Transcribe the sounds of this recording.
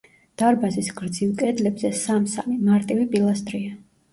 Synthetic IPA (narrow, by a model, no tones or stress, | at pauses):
d̪̥aɾbazisɡɾd̪zilˠkʼɛd̪lɛbzɛsamsamimaɾt̪ʼivipʼilˠast̪ʼɾia